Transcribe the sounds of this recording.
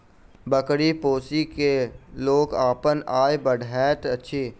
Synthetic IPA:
bəkɽipoːsikeloːɡaːpənaːebəɽʱɛːt̪ɐtːʃʰiː

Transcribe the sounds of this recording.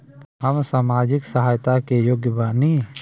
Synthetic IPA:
ɦəmsaːmaːd͡ʒɪksəɦaːjt̪akejoːɡjəbaːni

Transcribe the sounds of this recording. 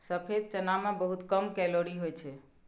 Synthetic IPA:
səpʰed̪̚t͡ʃənamebəɦut̪kəmkɛloɾiɦojt͡ʃʰɛ

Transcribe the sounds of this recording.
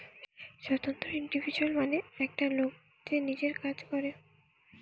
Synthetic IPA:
ʃot̪ont̪ɾoiɳɖibʱid͡ʑualmaneɛk̚ʈalok̚ | t͡ɕenid͡ʑeɾkad͡ʑkɔɾe

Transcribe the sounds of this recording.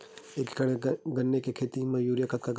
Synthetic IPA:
eːkkɽɡɐnːekekʰeːt̪imɐjuːɾjəkət̪̚kaɡ

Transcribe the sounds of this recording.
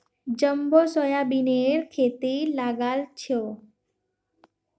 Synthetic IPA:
d͡ʒəmbosɔjabineɾkʰet̪ilaɡalt͡ʃʰjo

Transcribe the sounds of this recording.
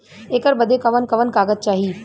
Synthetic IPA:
eːkəɾbɐd̪ekɐʋənkɐʋənkaːɡəd̪̚t͡ʃaːɦi

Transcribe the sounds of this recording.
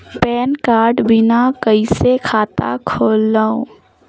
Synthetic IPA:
pɛːnkaːɾɖbɪnakəisekʰaːt̪a̰kʰoːlːaːõ

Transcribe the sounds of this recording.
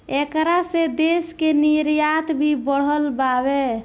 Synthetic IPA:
ekɾased̪eskeniɾjat̪bʱibəɽ̤ɦəlbabe

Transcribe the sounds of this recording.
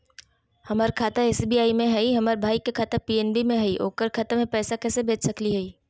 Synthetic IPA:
hɐmaːɾkʰaːt̪aeːsbiaːimẽɦɛiɦɐmaːɾbʱaːikekʰaːt̪apiɛːnbimẽɦɛiʔo̰ːkəɾkʰaːt̪amẽpɛːsakɛːsebʱeːt͡ʃsɐkliɦɛiː

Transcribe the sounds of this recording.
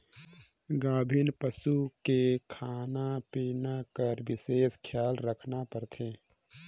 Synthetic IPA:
ɡãːbʱɪnpəsukekʰaːnapiːnakəɾʋɪseːskʰjaːlɾəkʰnapəɾt̪ʰẽː

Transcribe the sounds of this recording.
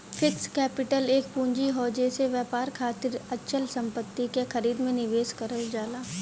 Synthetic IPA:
fɪkskɛːpɪʈəleːkpũːɲd͡ʒiɦɔːd͡ʒeseʋjaːpaːɾkʰaːt̪ɪɾɐtːʃʰəlsɐ̃mpət̪ːikexɐɾiːd̪mẽnɪʋeːskɐɾəld͡ʒaːlaː

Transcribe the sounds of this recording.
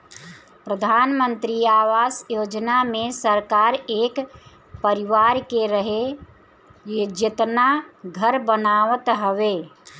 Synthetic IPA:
pɾəd̪ʱaːnmənt̪ɾiaːʋaːsjoːd͡ʒnamẽsəɾkaɾeːk | pəɾiʋaɾkeɾəɦe | jed͡ʒɪt̪naɡʱəɾbənaʋət̪ɦəʋe

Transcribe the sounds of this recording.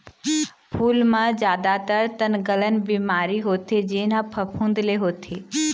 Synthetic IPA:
pʰuːlmãzjaːd̪at̪əɾt̪ənɡələnɪ̆biːmaːɾiɦoːt̪ʰed͡ʒeːnãpʰɐpʰũːnd̪leɦoːt̪ʰeː

